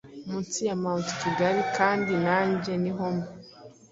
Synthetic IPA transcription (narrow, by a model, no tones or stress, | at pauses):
munt͡sijamaunti̥ciɡaɾikaːndinaːɲɟeniɦomo